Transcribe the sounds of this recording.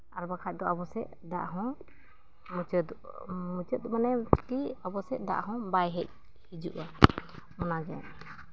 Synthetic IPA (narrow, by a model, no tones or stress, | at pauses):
aɾbakʰac̚d̪ɔabɔsɛ̰ʔ | d̪a̰ʔɦɔ̃ | mt͡ʃd̪ | mut͡ʃət̪̚manɛt͡ʃkiabɔsɛd̪a̰ʔɦɔ̃bajɦɛc̚ | hid͡ʒuʔwa | mɔnaɡɛ̰